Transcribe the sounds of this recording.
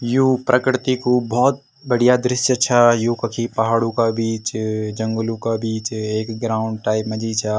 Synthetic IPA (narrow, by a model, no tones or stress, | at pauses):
juːpɾʔəkɾɪt̪ikubɔːt̪̚ | bɐɽ̤ijad̪ɾɪʃjət͡ʃʰajukɐkʰipɐɦaːɽũkabiːt͡ʃd͡ʒɐ̃ŋɡʊlũkabiːt͡ʃeːkɡɾaːʊ̃ɳɖ̚ʈaːɪpmɐd͡ʒʱit͡ʃʰa